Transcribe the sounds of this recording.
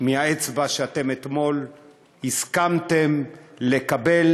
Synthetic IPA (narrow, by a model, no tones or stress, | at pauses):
mihaet͡sbaʃeat̪e̞met̪mo̞l | hiskamt̪e̞mle̞kabe̞l